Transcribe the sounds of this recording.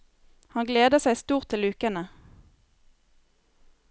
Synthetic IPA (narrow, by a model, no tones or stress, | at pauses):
hɑnɡleːd̪əsæɪst̪uːʁt̪ʰːɪlʉːkənə